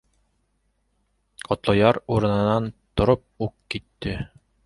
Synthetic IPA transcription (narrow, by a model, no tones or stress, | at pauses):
qɒt̪lˠɤjɑɾuɾɤ̆nɤ̆nɑnt̪ŏɾop̚uq̚kit̪ːɘ